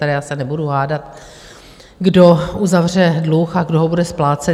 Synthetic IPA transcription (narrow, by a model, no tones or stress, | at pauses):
ɛɾɛjaːsɛnɛbuduɦaːdat̪ | ɡdoʔuzavr̝ɛdluxaɡdoɦobudɛsplaːt͡sɛ